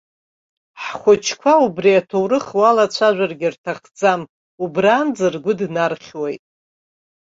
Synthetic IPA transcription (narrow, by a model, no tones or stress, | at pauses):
ħχʷʊt͡ʃʰkʷʰaubriatʰowɾɨχwalat͡ɕʷʰaʒʷᶣarɡʲɪrtʰaχd͡zam | ubraːnd͡zɨrɡʷʊdnarχʲwajtʼ